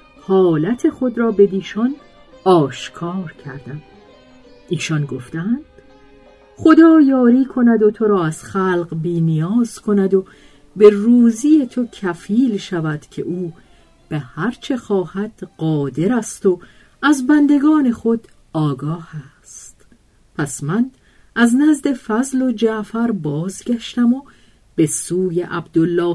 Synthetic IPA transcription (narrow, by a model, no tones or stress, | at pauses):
hɒːlæt̪ʰe̞xo̞d̪ɾɒːbe̞d̪iːʃɒn | ɒːʃkʰɒːɾcʰæɾd̪æm | iːʃɒnɡo̞ft̪ænd̪̥ | χo̞d̪ɒːjɒːɾiːkʰo̞næd̪ot̪ʰo̞ɾɒːæz̥χælqbiːnijɒːz̥kʰo̞næd̪o | be̞ruːzije̞t̪ʰo̞cʰæfiːlʃævæd̪̥cʰe̞̰ʔuː | b̥ehæɾt͡ʃʰe̞xɒːhæd̪̥ɢ̥ɒːd̪e̞ɾæst̪o̞ | æzbænd̪e̞ɡɒːne̞χo̞d̪̥ | ɒːɡɒːhæst̪ | pʰæsmæn | ʔæznæzd̪e̞fæzlo̞d͡ʒæʔfæɾbɒːzɟæʃt̪æmo̞ | b̥e̞suːjeʔæbd̪olːɒː